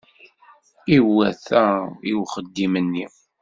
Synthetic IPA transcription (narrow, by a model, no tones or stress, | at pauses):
iwːæθæiwχəd̪ːimənːi